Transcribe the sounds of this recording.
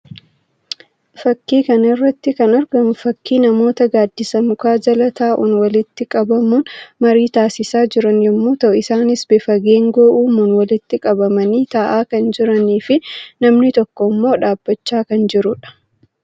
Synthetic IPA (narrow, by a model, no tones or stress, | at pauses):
fɐkːiːkɐnɪrːɐt̪ːɪkɐnɐɾɡɐmfɐkːiːnɐmo̞ːt̪ɐɡaːd̪ːɪsɐmʊkaːd͡ʒɐlɐt̪aːʔṵnwɐlɪt̪ːɪkʼɐbɐmunmɐɾiːt̪aːsɪsaːd͡ʒɪɾɐnjɛmːoːt̪ɐʔʊɪsaːnɪsbefɐɡeːŋɡoːʔuːmunwɐlɪt̪ːɪkʼɐbɐmɐniːt̪aːʔaːkɐnd͡ʒɪɾɐniːfɪnɐmnɪt̪ɔkːɔmːo̞ːᶑaːbːɐt͡ʃːaːkɐnd͡ʒɪɾʊᶑɐ̥